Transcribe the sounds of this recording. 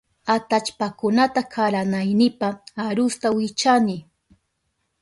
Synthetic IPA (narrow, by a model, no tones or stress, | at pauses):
at̪at͡ʃpakʊnat̪akʰaɾanajnɪpaːɾʊst̪awɪt͡ʃanɪ